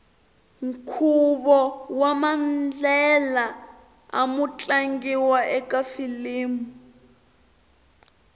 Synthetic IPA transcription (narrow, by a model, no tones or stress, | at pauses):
ŋ̩kʰuβɔwamand͡ɮɛla | a̰mut͡ɬʼaŋɡiwaʔɛkafiliːmu